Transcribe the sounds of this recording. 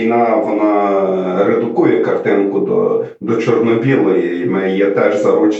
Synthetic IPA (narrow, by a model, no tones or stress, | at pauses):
jnɑʋɔnɑɾed̪ʊkujɛkɐrt̪ɪnkʊd̪ɔ̰ | d̪ɔt͡ʃɔrnɔbʲilˠɔji | mɪjɛt̪ɛʒzɐɾut͡ʃ